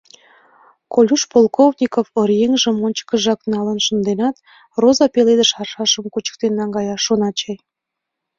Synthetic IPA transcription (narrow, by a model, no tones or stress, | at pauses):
kolʲuʃpolkovnʲikofoɾjeŋʒə̆monʲt͡ɕə̥kə̆ʒɑknɑlənʃə̆nd̪enɑt̪ | rozɑpeled̪ə̆ʃɑrʃɑʃəmkut͡ɕə̥k̚t̪enːɑŋɡɑjɑʃonɑt͡ɕej